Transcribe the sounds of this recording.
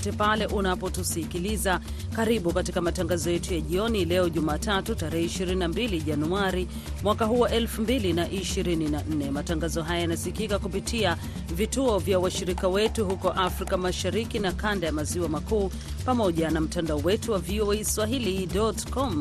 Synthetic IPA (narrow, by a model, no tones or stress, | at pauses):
tɛpalɛʔunapɔtusikiliza | kaɾiɓukatikamataŋɡazɔjɛtujaʄiɔnilɛɔʄumaːtatutaɾɛhɛiʃiɾininambiliʄanuaɾi | mwakaɦuwaʔɛlfumbilinaʔiʃiɾininan̩nɛmataŋɡazɔɦajajanasikikakupitia | vituɔvjawaʃiɾikawɛtuhukɔʔafɾikamaʃaɾikinakandajamaziwamakuː | pamɔʄanam̩tandaɔwɛtuwavioɛiswaɦilidɔtkɔm